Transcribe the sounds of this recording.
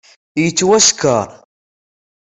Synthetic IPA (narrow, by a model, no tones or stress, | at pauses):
jət͡sːwæskə̰ɾˤ